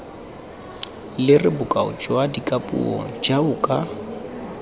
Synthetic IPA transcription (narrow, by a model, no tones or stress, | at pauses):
lɪrɪbʊkʼaʊ̰t͡ʃʼwadikʼapʼṵɔ̰d͡ʒaʊkʼa